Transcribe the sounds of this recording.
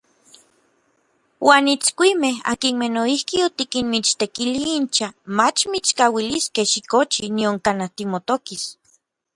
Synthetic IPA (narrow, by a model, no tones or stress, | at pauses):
wʔaːnit͡skʷimeɦa̰kinmenoihkiot̪ikinmit͡ʃt̪ekiliint͡ʃamat͡ʃmit͡ʃkawiliskehʃikot͡ʃinioŋkanat̪imot̪okis